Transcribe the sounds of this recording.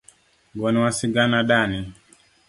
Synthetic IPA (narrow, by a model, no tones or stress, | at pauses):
ɡɔniwasiɡanaɗani